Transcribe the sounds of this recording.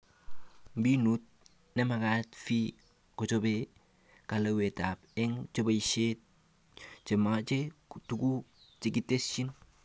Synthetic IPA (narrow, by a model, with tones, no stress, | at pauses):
bi˦nut̚ | ne˦ma˨katfi˦ | kɔ˨t͡ʃo˦be | ka˨lawe˨ta˨pɛ˦ŋt͡ʃo˦be˦iʃet̚ | t͡ʃe˨mat͡ʃetuɡu˦ | t͡ʃi˨ɡi˦te˦st͡ʃi˦n